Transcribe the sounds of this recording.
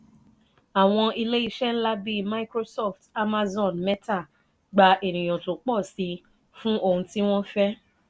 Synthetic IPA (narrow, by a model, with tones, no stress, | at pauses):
a˨w̃ɔ̃˧i˧le˦i˦˧ʃɛ˦n̩˦la˦bi˦ma˧i˦kɾo˦sɔ˦˨fta˦ma˦zɔ̃˦˨nmɛ˦ta˦˨ | ɡ͡ba˨ʔe˨ñĩ˨j̃ɔ̃˨to˨k͡pɔ˦˨si˨˧ | fũ˦ʔo˧hũ˧ti˦w̃ɔ̃˦fɛ˦